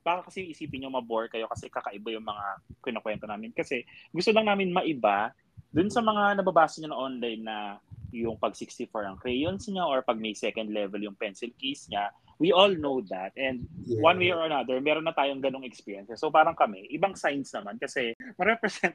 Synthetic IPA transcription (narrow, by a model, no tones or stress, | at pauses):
b̥aːkɐkɐsɛjʊŋʔɪsiːpɪnɲomɐboɹ̚kɐjo̞kɐsɛkɐkɐʔɪbajʊŋmɐŋakɪnɐkwɛnt̪oaːmɪnkɐsɛɡʊst̪olɐŋnaːmɪnmɐʔɪba | d̪ʊnsɐmɐŋanɐbɐbaːsɐɲɐnɐŋʔonlajnːɐjʊŋpɐɡsikst̪ɪfoɹɐŋkɾɛjonsɲaʔoɹpɐɡ̚mɐjsɛkɐnd̪lɛvɛljʊŋpɛnsɪlkejsɲa | wiʔolnowd̪at̪̚ʔɛnd̪̚wanwejʔoɹɐnad̪ɛɹmɛːɾonːɐt̪aːjoŋɡɐno̞ŋɛkspɛɾjɛnsɐsowpaːɾɐŋkɐmɛʔɪbaŋsajnsnɐmankɐsɛmɐɾɛpɾɛsɛnt̪